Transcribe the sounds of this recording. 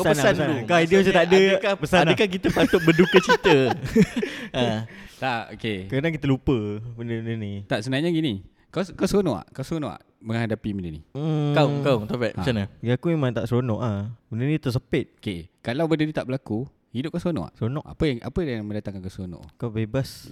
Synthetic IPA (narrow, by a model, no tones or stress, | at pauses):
kasapənasaəsaukaidiosət̪adəkapəsandəkak̬it̪əpat̪ʊt̪̚bədukət͡ʃit̪ə | at̪ao̰kekəɾənakit̪əlupəbəndəbəndənit̪aʔsəənaɲaɡini | kɔskasɾonɔʔa̰ʔkawsɾonɔʔa̰ʔ | məŋhadapibəndənḭkaʊkaʊŋt̪opɛʔmat͡ʃanaɡiakumemãŋt̪aʔsɾonɔʔahbəndənĩt̪əs̬əpɪt̪̚okekalawbədənit̪aʔbəlaku | hidʊp̚kasɾonɔ̰ʔa̰ʔsɾonɔʔʔa̰pəjaŋʔa̰pəjaŋməndat̪aŋkankasɾonɔ̰ʔkawbebas